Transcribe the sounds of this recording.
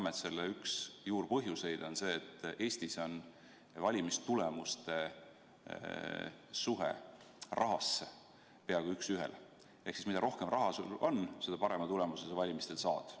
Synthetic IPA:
ɑmet̪se̞lːeyksjuːrpɤɦjuse̞jd̪̥onse̞ːt̪ːˑʔe̞ːst̪iso̞n | vɑlʲimist̪ulemust̪e̞ | suɦḛ | rʔɑɦɑsːe | pe̞ɑɡ̥uyksyɦḛl | ehksismid̪̥ɑ̰ɾo̞hkemrʔɑɦɑsuo̞nse̞d̪̥ɑpɑɾe̞mɑt̪ule̞musesɑvɑlʲimist̪e̞lsɑːd̪̥

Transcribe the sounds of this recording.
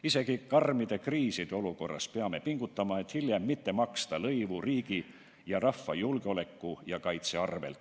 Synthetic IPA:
ise̞kikɑrmid̪̥ekriːsid̪̥o̞luko̞rːɑ̰speɑme̞piŋɡ̥ut̪ːɑmɑe̞t̪hiljemːit̪ːe̞mɑkst̪ɑlɤjvuriːɡi | jɑrɑfːɑjulɡeo̞le̞kːujɑkɑjt̪se̞ɑrve̞̰lt̪

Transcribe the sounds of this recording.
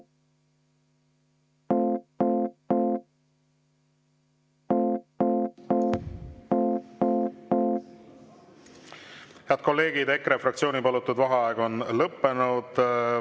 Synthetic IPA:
heɑd̪̚ko̞lːe̞ːɡ̥id̪e̞kɾefrɑkt̪sio̞ːnipɑlut̪ːˑud̪vɑɦɑɑeɡ̥o̞nlɤpːe̞nud̪̥

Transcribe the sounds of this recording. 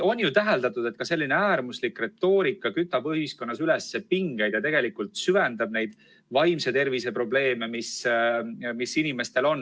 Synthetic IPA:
o̞nːjut̪æɦeld̪ɑt̪ːˑud̪e̞t̪̚kɑse̞lʲːineæːɾmuslikːre̞t̪ːo̞ːɾikːˑɑkyt̪ːˑɑb̥ɯhisko̞nːɑsylesːepiŋɡ̥ejd̪̥jɑt̪e̞ɡ̥e̞likːˑult̪syvend̪̥ɑb̥̚ne̞jd̪̥ | vɑjmse̞t̪e̞rvise̞pɾro̞ble̞ːme̞mis | misːinime̞st̪e̞lo̞nː

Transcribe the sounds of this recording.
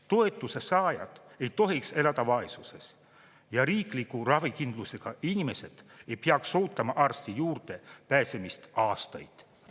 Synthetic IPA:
t̪o̞e̞t̪ːˑuse̞sɑːjɑ̰d̪̥e̞jt̪o̞ɦikse̞lɑd̪̥ɑvɑe̞suse̞s | jɑɾiːklikːurɑvikind̪̥luse̞ɡ̥ɑinʲime̞se̞d̪̥e̞jpeɑkso̞ːt̪ːˑɑmɑʔɑrst̪ijuːrd̪e̞pæːse̞mist̪ɑːst̪ɑjd̪̥

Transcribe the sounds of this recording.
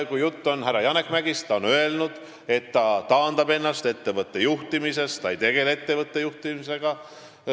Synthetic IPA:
kujut̪ːo̞nɦæɾɑjɑnekːˑmæɡ̥ist̪ɑonø̞e̞lnud̪̥ | e̞t̪ːɑt̪ɑːnd̪̥ɑbe̞nːɑst̪e̞t̪ːe̞vɤt̪ːe̞juht̪imise̞st̪t̪ɑjt̪e̞ɡ̥e̞le̞t̪ːe̞vɤt̪ːe̞juht̪imise̞ɡ̥ɑ

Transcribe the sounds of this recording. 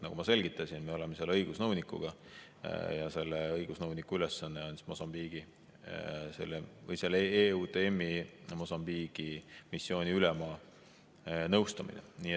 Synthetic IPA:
nɑ̰ɡumɑse̞lʲɡit̪ːˑɑsʲinme̞o̞lemeselːɤjɡ̥usnɤwnikːˑṵɡ̥ɑ | jɑse̞lːeɤjɡ̥usnɤwnikːuylesːɑnːeoni̥mo̞sɑmb̥iːɡ̥i | se̞̰lːevɤjselːeːuːt̪e̞emːimo̞sɑmb̥iːɡ̥imisːjo̞ːnʲiylɛmɑː | nɤwst̪ɑmḭnḛniːe

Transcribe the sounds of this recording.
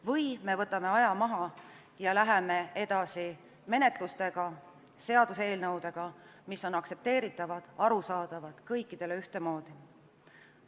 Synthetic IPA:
vɤjme̞vɤ̞t̪ːˑɑme̞ɑjɑmɑɦɑ | jɑlæɦe̞me̞e̞d̪̥ɑsi | me̞ne̞t̪ˑlust̪e̞ɡ̥ɑ | se̞ɑd̪̥use̞ːlnɤwd̪e̞ɡ̥ɑmisːo̞nɑkse̞p̚t̪e̞ːɾit̪ːˑɑvɑd̪̥ɑɾusɑːd̪̥ɑvɑd̪̥kɤjkːid̪̥e̞le̞yht̪e̞mo̞ːd̪̥i

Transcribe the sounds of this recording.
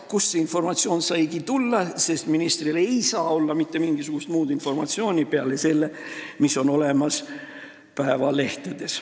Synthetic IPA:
kusːeinfo̞rmɑt̪sio̞ːnsɑjɡit̪ulːɑse̞st̪minist̪rile̞jsɑːo̞lːɑmit̪ːe̞miŋɡ̥isuɡ̥ust̪muːd̪̥info̞rmɑ̰t̪sio̞ːnʲipeɑlese̞lːemiso̞no̞le̞mɑs | pæevɑle̞ht̪ed̪̥e̞s

